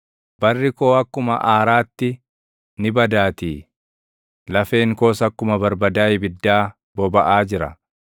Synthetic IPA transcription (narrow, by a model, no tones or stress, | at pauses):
b̥ɐrːɪko̞ːɐkːʊmɐ̰ʔaːɾaːt̪ːɪ | nɪbɐd̪aːt̪iː | lɐfe̞ːŋko̞ːsɐkːʊmɐbɐɾbɐd̪aːjbɪd̪ːaː | b̥ɔbɐʔaːd͡ʒɪɾɐ̰